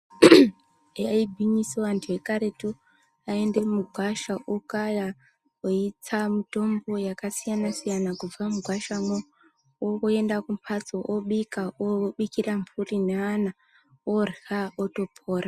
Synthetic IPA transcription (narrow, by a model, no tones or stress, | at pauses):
aibʱiɲiseantʰuekaɾe̞tu | ae̞nde̞muɡʱwaʃaʔokaja | oit͡samito̞mbo̞jakasijanasijanakub͡vamuɡʱwaʃamwo | okoe̞ndakumpʰat͡soʔoɓikaoɓikiraɱfurineana | orɣaoto̞pʰo̞ːra